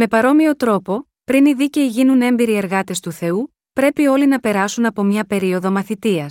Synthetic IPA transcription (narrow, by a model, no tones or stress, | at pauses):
me̞pɐɾo̞mio̞t̪ɾo̞po̞ | pɾiniðice̞iʝinune̞mbiɾie̞ɾɣɐt̪e̞st̪uθe̞u | pɾe̞pio̞linɐpe̞ɾɐsunɐpo̞mɲɐpe̞ɾio̞ðo̞mɐθit̪iɐs